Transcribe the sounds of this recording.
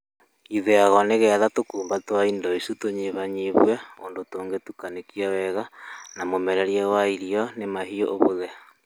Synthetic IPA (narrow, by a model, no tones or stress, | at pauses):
iðeaɣɔneɣɛaðatokuːmbatwaindɔisutoɲeβaɲiβwɛondotoːŋɡetukanekiawɛɣanamomɛɾɛɾjɛwaiɾiɔnemaɦioʔoβoðɛ